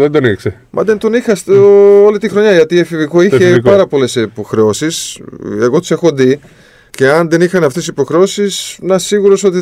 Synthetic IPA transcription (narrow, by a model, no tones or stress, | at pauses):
ðend̪onikse | mʔɐ̰ðe̞nt̪o̞nixɐst̪olit̪ixɾo̞ɲɐʝɐt̪iefiviko̞içeppɐɾɐpo̞le̞sipo̞xɾe̞o̞siseɣo̞t̪i̥se̞xo̞ði | ce̞ɐnðe̞nixɐneɐft̪essipo̞xɾeo̞sisnɐsiɣuɾo̞so̞t̪i